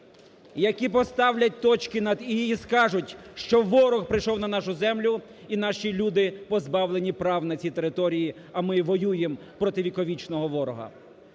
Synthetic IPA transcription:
jɐkʲipɔst̪ɑwlʲɐt̚ʲt̪ɔt͡ʃkɪnɐd̪iːskɑʒʊtʲʃt͡ʃɔʋɔɾɔxpɾɪjʃɔwnɐnɑʃʊzɛmlʲʊ | in̪ɑʃilʲud̪ɪpɔzbɑwlˠenʲipɾɑwnɐt͡sʲit̪eɾɪt̪ɔɾʲiji | ɐmɪʋɔjujem | pɾɔt̪ɪʋʲikɔʋʲit͡ʃnɔɦɔʋɔɾɔɦɐ̰

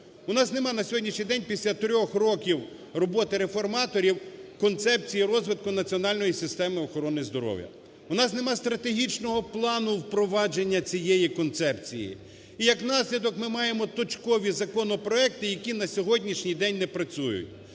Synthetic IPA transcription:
ʊnɑsnemɑnɐsʲɔɦɔdʲnʲiʃnʲijd̪ɛnʲpʲisʲlʲat̪ɾʲɔxrɔkʲiw | rɔbɔt̪ɪɾefɔrmɑt̪ɔɾʲiwkɔnt̪sɛp̚t͡sʲijiɾɔzʋɪt̪̚kʊnɐt͡sʲiɔnɑlʲnɔjisɪst̪ɛmɪɔxɔɾɔnɪzd̪ɔɾɔ̰wjɐ̰ | ʊnɑsnemɑst̪ɾɐt̪eɦʲit͡ʃnɔɦɔplˠɑnʊwpɾɔʋɑd͡ʒe̞nʲːɐt͡sʲijɛjikɔnt̪sɛpt͡sʲijḭ | ijɐknɑsʲlʲid̪ɔkmɪmɑjemɔt̪ɔt͡ʃkɔʋʲizɐkɔnɔpɾɔɛkt̪ɪjɐkʲinɐsʲɔɦɔdʲnʲiʃnʲijd̪ɛnʲnɛpɾɐt͡sʲujʊ̰t̚ʲ

